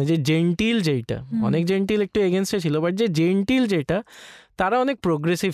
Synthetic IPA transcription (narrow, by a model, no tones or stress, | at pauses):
d͡ʑed͡ʑeɳʈild͡ʑejʈa̰ɔ̰nek̚d͡ʑeɳʈilek̚ʈueɡensʈet͡ɕʰilobaʈ̚d͡ʑed͡ʑeɳʈild͡ʑejʈat̪aɾaɔnek̚pɾoɡɾesib